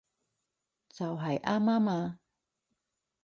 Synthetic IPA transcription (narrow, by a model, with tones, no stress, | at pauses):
t͡sɐ˨wɦɐ˨jʔaː˥maː˥maː˧